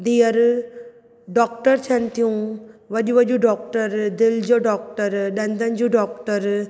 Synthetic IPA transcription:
d̪ijɐɾ | ɖɔːk̚ʈəɾt͡ʃʰɐnt̪ijũʋɐɗuʋɐd͡ʒuɖɔːk̚ʈəɾd̪ɪld͡ʒoɖɔːk̚ʈəɾɗɐnd̪ɐnd͡ʒuɖɔːkʈəɾ

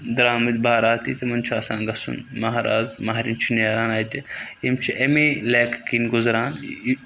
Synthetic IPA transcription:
d̪ɾaːmɐd̪ʲbʱaːɾaːt̪iːt̪ɐmɐnt͡ʃʰaːsaːnɡɐsṵnmɐɦaɾa̰ːzmɐɦɾint͡ʃʰineːɾaːnaːjt̪ijemt͡ʃʰiʔemeleːkʰkinɡʊzɾaːn

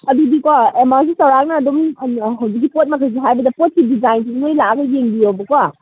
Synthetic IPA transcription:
ɐduɡikwaemaɾs̬isɐwɾak̚nɐːdomɦɐwzik̬̚ːipot̚mɐkʰɐjs̬iɦajbɐdɐpot̚kidizajns̬inojlaaɡɐjeŋbiobɐkwa

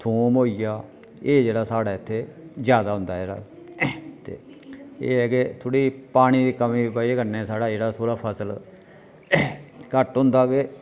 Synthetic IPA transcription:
t̪ʰuːmɦoːijaː | eːd͡ʒeːɽaːsaːɽaːɪt̪ʰːeːzjaːd̪aːɦʊ̃nd̪aːd͡ʒeːɽa̰ː | t̪ḛːḛːɛːket̪ʰoːɽiːpaːɽ̃iːd̪iːkəmĩːbaːikəɾnẽːsaːɽaːd͡ʒeːɽaːsʰoːɾaːpʰəsəl | kəʈɦʊ̃nd̪aːke

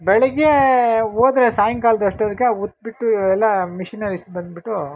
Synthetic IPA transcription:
bɛɭɐɡeoːd̪ɾesaːjɐŋkaːld̪ɐʂʈɐd̪kːeut̪̚ːbiʈːuɛlːɐmiʃinɐɾisbɐnd̪̚biʈːu

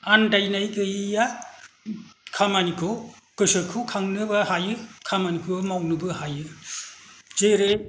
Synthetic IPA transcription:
andajnajɡɯija | kʰamanikʰɯ | kɯsɯkʰɯkʰaŋnɯbahajɯkʰamanikʰɯmawnɯbɯhajɯ | zeɾe

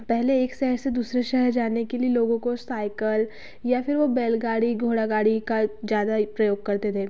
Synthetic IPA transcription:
pɛɦleːksɛɦɾsed̪uːsɾeʃɛɦəɾd͡ʒaːnekelieloːɡõkosaːɪkəl | jafɪɾʋobeːlɡaːɽiɡʱoːɽaɡaːɽikazjaːd̪apɾɐjoːɡ̚kɐɾt̪ed̪ʰeː

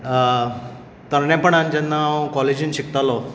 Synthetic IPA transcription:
t̪əɾnɛ̃pəɳãnd͡ʑɛnːaõkɔled͡ʑinɕikt̪alɔ

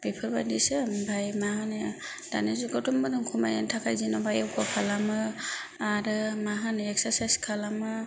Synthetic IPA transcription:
bipʰɯɾba̰disɯmbʱajmaɦanɯ | d̥a̰nezuɡɔtɔmbɯdɯŋkʰuma̰ja̰ntʰakʰajzinɔbʱajawkɔkʰalamɯ | aɾɯmaɦanɯɛksaɾsajskʰalamɯ

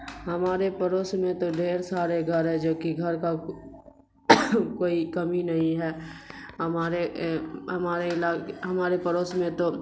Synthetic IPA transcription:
ɦɐmaːɾepəɾoːsmẽt̪oɖeːɾsaːɾeɡʱəɾɦɛd͡ʒoːkiɡʱəɾka | koːikəminɐɦĩɦɛːɦəmaːɾeɦəmaːɾeɪlaːɦɐmaːɾepəɾoːsmẽt̪o

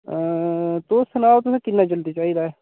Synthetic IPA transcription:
t̪ʊsənaːt̪ʊsẽːkɪnːad͡ʒəld̪it͡ʃaːɦiːd̪aːɛː

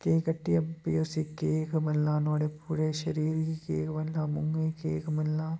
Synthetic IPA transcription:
keːkɐʈːijɐpijoːsikeːkmɐlːaːnoːɽepuːɾeʃɐɾiːɾikḛːkmɐlːaːmʊŋɡekeːkmɐlːaː

